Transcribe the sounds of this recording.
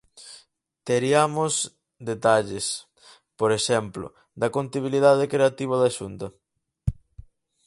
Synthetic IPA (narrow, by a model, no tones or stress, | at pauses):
t̪eɾiamos | d̪et̪aʎes | poɾeʃɛmplo̰ | d̪ɐkont̪iβ̞iliðaðekɾeat̪iβ̞ɐðaʃunt̪ɐ